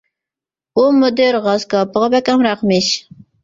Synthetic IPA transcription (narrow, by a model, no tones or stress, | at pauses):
umod̪ɪɾʁɑzkɑpʰəʁɑbɛkɑmɾɑqmɪʃ